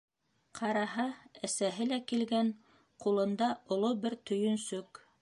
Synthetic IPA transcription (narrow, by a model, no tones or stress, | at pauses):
qʰɑɾɑɦɑæsæɦɘlækilɡæɴ | qulˠɤ̆nd̪ɑŏlˠobɘɾt̪ɵ̆jɵnsɵk